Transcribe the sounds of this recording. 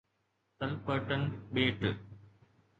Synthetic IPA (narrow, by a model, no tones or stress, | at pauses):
t̪ɐlpɐʈːɐnɓeːʈːɨ